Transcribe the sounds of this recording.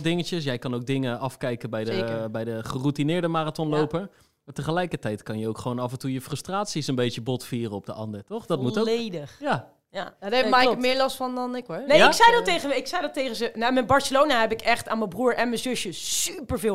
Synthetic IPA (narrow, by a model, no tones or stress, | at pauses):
dɪŋəcəsjɛjkɑnowɡ̚dɪŋəɑfkɛjkəbɛjdəbɛjdəχərutinɪːɹdəmaːratɔnlowpə | maːɹtəχəlɛjkəɹtɛjtkɑnjəowkχəʋoːnɑfəntujəfrɵstraːtsisənbejəbɔtfiːrəɔb̚dəʔɑndəɹtɔχdɔt̚muttoejdəχja | jaadɛmakmɪːɹlɔstfɑndɔnɪkɔnejɪksɛjdɔtːejχəɪksɛjdɔtejχənzənamɛbɑɹsəlownaɦɛpɪkɛχtaːnməbruːɹʔɛnməzɵsjəsypəɹvɪː